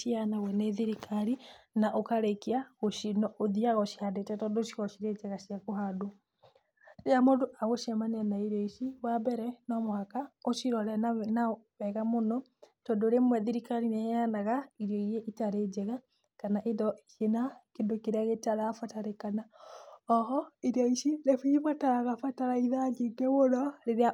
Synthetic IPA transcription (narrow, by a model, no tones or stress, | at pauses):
ʃianawɛneðiɾikʰaɾinaʔokaɾekiaɣoʃinɔoðiaɣɔʃihadetɛtɔndoʃiɣɔʃiɾed͡ʒɛɣaʃiakoɦado | ɾeamodoʔaɣoʃiamaneanaiɾeiʃiwabɛɾɛnɔmwakaoʃiɾɔɾɛnaβɛɣamonɔtɔndoɾemwɛðiɾikaɾinɛanaɣaiɾjɔijeʔitaɾed͡ʒɛɣa | kanaʔedɔeʃenakendokeɾeaɣetaɾafataɾekanaɔɦɔiɾjɔiʃinefiβataɾaɣafataɾaiðaɡeɡɛwoɾɔɾeɾea